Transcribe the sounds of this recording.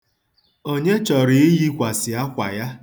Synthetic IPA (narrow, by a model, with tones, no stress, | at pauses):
o˦ɲe˦t͡ʃɔ˨ɾi˨i˦ji˦kʷa˨sɪ˨a˦kʷa̰˨ja˦